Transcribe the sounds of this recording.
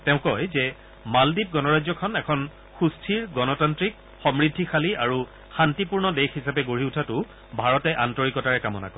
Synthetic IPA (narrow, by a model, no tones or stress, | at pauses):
tɛʊ̃kɔjzɛ | maldip̚ɡɔnɔɹajzɔkʰɔnɛkʰɔn | xustʰiɹɡɔnɔtantɹik | xɔmɹidʱːixʰaliaɹu | xantipuɹnɔdexhisapɛɡoɹiutʰatʊ | bʱaɹɔtɛʔantɔɹikɔtaɹɛkamɔna̰kɔ